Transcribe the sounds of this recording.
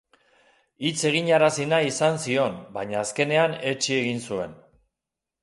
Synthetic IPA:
it͡se̞ɣ̞iɲaɾasinaisansio̞nbaɲaːske̞ne̞ane̞t͡ʃie̞ɣinsue̞̰n

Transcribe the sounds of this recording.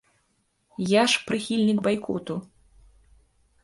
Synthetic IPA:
jaʂpɾɨxʲilʲnʲikbajkʰɔ̰t̪u

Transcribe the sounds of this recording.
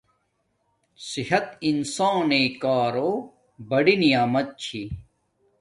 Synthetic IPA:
sihɐt̪insãːneːkaːɾoː | bɐɽinijaːmɐt̪̚t͡ɕʰi

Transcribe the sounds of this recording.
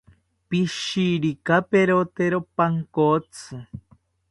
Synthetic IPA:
piʃiɾikapeɾot̪eɾopaŋkot͡sɨ

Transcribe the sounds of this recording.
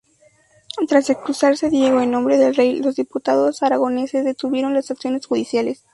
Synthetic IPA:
t̪ɾasekskɾusaɾse̞ðje̞ɣo̞enːõ̞mbɾe̞ðelre̞jlo̞zðiput̪aðo̞saɾaɣ̞o̞ne̞sezðe̞t̪uβje̞ɾo̞nlasaksjo̞ne̞sxuðisjale̞s

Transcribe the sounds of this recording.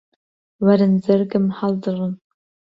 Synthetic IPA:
wɐɾɨnzɨrɡɨmħaldɨʁən

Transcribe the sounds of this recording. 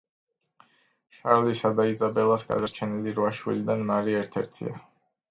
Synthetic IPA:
ʃaɾlisad̪ait̪zʼabɛlˠasɡa̰d̪aɾt͡ʃʰɛniliɾvaʃwḭlid̪anmaɾiɛɾt̪ʰɛ̰ɾt̪ʰḭa̰

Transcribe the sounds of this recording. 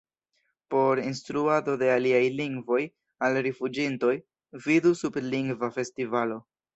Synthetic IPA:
po̞ɾinstɾuado̞de̞aliajliŋɡvo̞j | alɾifud͡ʒinto̞j | vidusupliŋɡvafe̞stivalo̞

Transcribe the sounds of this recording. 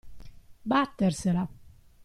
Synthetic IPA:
bat̪ːersela

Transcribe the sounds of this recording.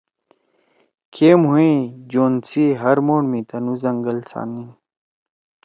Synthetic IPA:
kʰeːmuĩd͡ʑoːnt͡siɦɐɾmoːɳmĩt̪ɐnuzɐŋɡɐlsa̰ːnĩ

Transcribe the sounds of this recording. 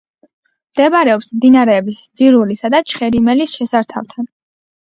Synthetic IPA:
md̪̥ɛbɾɛɔpsmd̪inaɾɛːbisd̪z̥iɾulisad̪at͡ʃʰχɛɾimɛlisʃɛsaɾt̪ʰa̰ft̪ʰan

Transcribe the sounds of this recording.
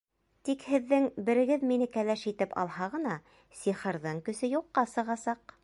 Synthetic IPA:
t̪ikhɘ̆ðːɘŋbɘ̆ɾɘ̆ɡɘðminɘkælæʃit̪ɘpɑ̰lˠhɑʁɤ̆nɑ | siχɤ̆ɾðɤɴkɵ̆sɘjuqːɑsɤ̆ʁɑsɑq

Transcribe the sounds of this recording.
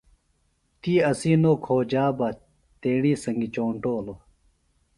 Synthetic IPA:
t̪iːɐsiːnoːkʰoːd͡ʑaːbɐ | t̪eːɽiːsɐŋɡit͡ɕoːɳʈoːlo

